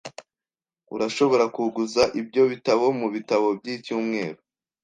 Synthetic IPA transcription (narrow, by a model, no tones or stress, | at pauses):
ṵɾaʃo̞βo̞ɾakuɡuzaʔibɟo̞βitaβo̞muβitaβo̞bɟiːcuːmŋe̞ːɾo